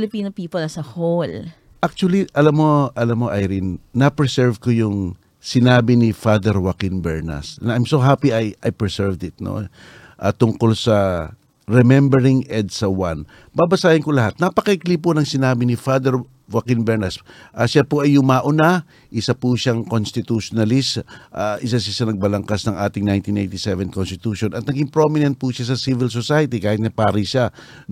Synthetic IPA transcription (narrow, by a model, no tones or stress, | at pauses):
lɪpiːnopiːpolɐsɐhol | ʔak̚t͡ʃuɐliʔɐlamːo̞ʔɐlamːoʔɐjɾɪnːɐpɛsɛɹvkojʊŋ | sɪnaːbɪnɪfad̪ɛɹwakɪnbɛɹnɐ̰snajmsoɦapiɐjʔɐjpɹɛsɛɹvd̪ɪt̪̚no̰ | ʔaːt̪ʊŋko̞lsɐ | ɹɛmɛmbɛɹɪŋʔɛd̪̚sɐwan | baːbɐsaːhɪnkolɐɦat̪̚nɐpɐkɐʔɪkliːponɐŋsɪnaːbɪnɪfad̪ɛɹ | wakɪnbɛɹnɐsʔaʃapoʔɐjʊŋmaʔʊna | ʔɪsapuʃaŋkonst̪ɪt̪uʃonalɪsʔaʔɪs̬aʃ̬aʃɐnɐɡ̚bɐlɐŋkasnɐŋʔaːt̪ɪŋnajnt̪inʔejnt̪isɛvɛnkonst̪ɪt̪uʃonɐt̪̚nɐɡɪmpɾo̞mɪnɛnt̪̚puʃas̬ɐsivɪls̬osajɐt̪ikaːhɪt̪̚nɐpaːɾiʃa